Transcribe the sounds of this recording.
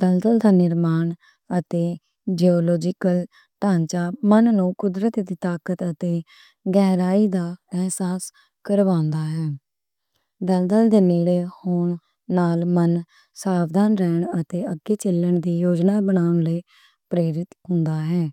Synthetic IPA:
d̪əld̪əld̪aːnɪɾmaːɳ | ət̪eː | d͡ʒeːɔːlɔːd͡ʒɪkəl | ʈaːɲt͡ʃaːmənnũːkʊd̪ɾət̪d̪iːt̪aːkət̪ət̪eː | ɡɛːɾaːiːd̪aːɛːsaːs | kəɾʋãːnd̪aːɦɛː | d̪əld̪əld̪eːniːɽeːhʊɳ | naːlmən | saːʋd̪ʱaːnɾɛːɳət̪eːəɡiːt͡ʃɪlːəɳd̪iːjoːd͡ʒnaːbənaːʊɳləː | pɾeːɾɪt̪ɦʊnd̪aːɦɛː

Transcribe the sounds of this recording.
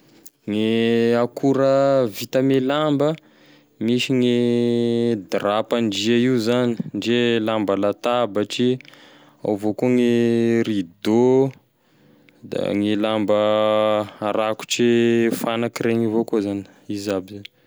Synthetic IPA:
ŋeakʰuɾəvit̪əmelambə | miʃiŋe | d̪rapanɖ͡ʐiaiwzani̥nɖ͡ʐelambəlat̪abəʈ͡ʂi | a̰wvokoŋeɾid̪o | d̪a̰ŋelambə | aɾaku̥ʈ͡ʂefanakiɾeŋivokozani̥ | izabizani̥

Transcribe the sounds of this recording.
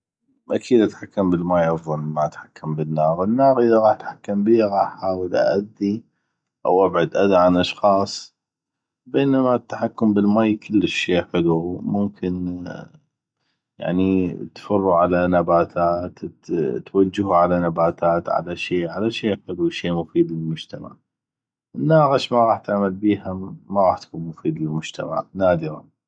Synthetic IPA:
ʔakʰiːd̪ʔat̪ħakːambəlmaːjʔɑfˤɑnmaat̪ħakːambənːaːɣənːaːɣʔəðaɣɑːħt̪ħakːambiːɣɑːħħaːwəlʔa̰ʔad̪ːi | ʔa̰wʔabʕad̪ʔad̪aʕanʔɑʃxɑːsˤ | beːnamat̪ːḁħakːʊmbəlmaːjkʰɪlːəʃːeːħɪlumʊmkʰɪn | ja̰ʕnit̪fɑrˤːuʕalanabaːt̪ʰaːt̪t̪wad͡ʒːaɦuʕalanabaːt̪ʰaːt̪ʕa̰laʃiːʕalaʃeːħɪlwʃeːmʊfiːd̪lɪlmʊd͡ʒt̪ama̰ʕ | ʔnːaːɣɪʃmaɣɑːħt̪aʕmalbiːhaːaɣɑːħt̪ḁkuːnmʊfiːd̪lɪlmʊd͡ʒt̪ʰa̰ma̰ʕnaːd̪ɪɾɑ̰

